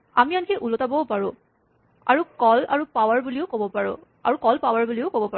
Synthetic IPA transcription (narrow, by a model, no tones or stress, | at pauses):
amiankɛʔulotabɔʊpaɹʊ̃ | a̰ɹukɔla̰ɹupawaɹbuliʊkobɔpaɹʊ̰ | a̰ɹukɔlpawaɹbuliʊkobɔpa